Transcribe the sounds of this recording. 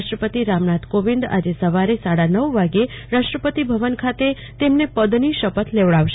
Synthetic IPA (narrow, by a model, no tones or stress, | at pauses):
ʃʈɾəpət̪iɾamnat̪koʋind̪a̰d͡ʒesəʋaɾesaɽanəʋʋaɡeɾaʃʈɾəpət̪ibʱəʋənkʰat̪e | t̪emnepəd̪niʃəpət̪ʰleʋɭaʋʃ